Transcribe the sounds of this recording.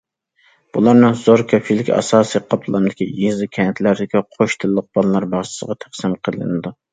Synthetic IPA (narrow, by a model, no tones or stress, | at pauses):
b̥ulˠɑɾnɨŋzoɾkʰɑfilkʲʰɑ̰sɑːsijqʰɑpʰlˠɑnɨd̪ɪkʲḭizɨkʲʰɛnt̪ʰlæɾd̪ɪkʲiqʰoʃt̪ʰɨlˠːəq̚b̥ɑlˠɨlˠɑɾbɑχt͡ʃʰɪ̥səʁɑt̪ʰæχsɨmqʰəlˠɨ̰nɨd̪u